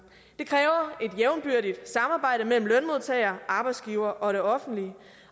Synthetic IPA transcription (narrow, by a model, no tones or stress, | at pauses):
d̥e̝kʰʁɛːʊɐʔe̝d̥jeʊnb̥yɐ̰ɾid̥sɑ̈mɑ̈ːb̥ɑ̈ɪ̰ɾ̥əmel̰m̩lønmo̝ðˠt͡sʰɛ̰ːɪɐːʔɑ̈b̥ɑ̈ɪsɡ̥iʊɐːʔɒ̽ɾe̝ɒ̽fn̩d̥liə